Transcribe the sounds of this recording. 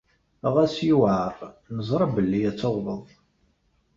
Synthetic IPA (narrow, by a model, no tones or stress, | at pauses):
ʁæsjuʕəɾˤnəzˤɾˤɑbəlːijæt͡sːoʁvəðˤ